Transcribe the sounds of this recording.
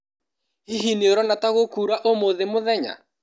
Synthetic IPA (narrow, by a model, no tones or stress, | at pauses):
iɦineoɾɔnataɣokuːɾaʔomoðemoðɛɲa̰